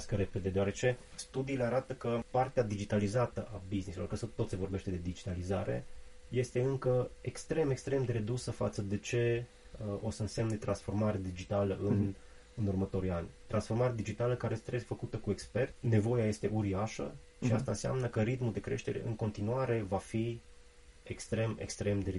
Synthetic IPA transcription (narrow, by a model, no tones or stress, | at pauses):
skəɾe̞pe̞d̪ed̪eaɾe̞t͡ʃe̞st̪ud̪iːle̞aɾat̪əkəpart̪ead̪id͡ʒit̪alizat̪əʔabiznisuloɾkəsət̪o̞t̪se̞vo̞rbe̞ʃt̪e̞d̪e̞d̪id͡ʒit̪alizaɾe̞̰ | je̞st̪e̞ɨŋkəekst̪ɾe̞me̞kst̪ɾe̞md̪e̞ɾe̞d̪usəfa̰t̪səd̪e̞t͡ʃe̞ | o̞səɨnse̞mnet̪ɾʔansfo̞rmaɾed̪id͡ʒit̪aləʔɨn | ɨnurmət̪o̞ɾianʲt̪ɾʔansfo̞rmaɾead̪id͡ʒit̪aləkaɾest̪ɾezfəkut̪əkue̞kspe̞rt̪ʲne̞vo̞jaje̞st̪e̞ʔuɾiaʃə̰ | ʃiast̪ansea̰mnəkəɾit̪mud̪e̞kɾe̞ʃt̪e̞ɾe̞̰ʔɨŋko̞nt̪inuaɾe̞vafi | ekst̪ɾe̞me̞̰kst̪ɾe̞md̪e̞ɾe